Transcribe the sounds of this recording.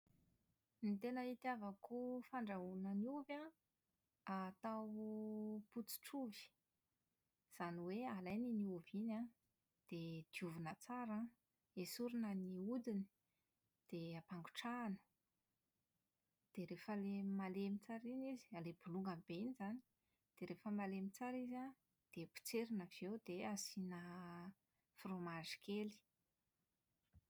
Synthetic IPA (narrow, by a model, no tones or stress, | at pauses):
nit̪enəit̪iavakufaɳɖ͡ʐaunəniuvã | at̪aw | put͡si̥ʈ͡ʂuvi̥ | z̥aniwealajniniuvinã | d̪̥ed̪̥iuvunət͡saɾã | esuɾunəniud̪ini̥ | d̪̥eapaŋɡu̥ʈ͡ʂaːnə̥ | d̪̥eɾefəlemalemit͡saɾinizi̥aleb̥uluŋɡamibeinizani̥ | d̪̥eɾefəmalemit͡saɾiza | d̪̥epi̥t͡seɾinəv̥ewd̪̥easinə | fromaʐi̥kʰeli̥